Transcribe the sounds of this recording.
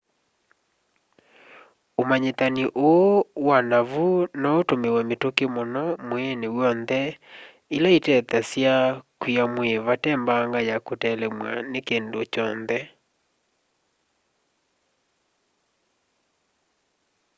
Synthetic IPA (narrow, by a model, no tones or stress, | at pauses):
omaɲetaniʔowanavunɔotomewɛmetokemonɔmwenewɔnðɛ | ilaitɛtasjakwiamweβatɛmbaːŋɡajakotɛlɛmwa̰nekendot͡ʃɔnðɛ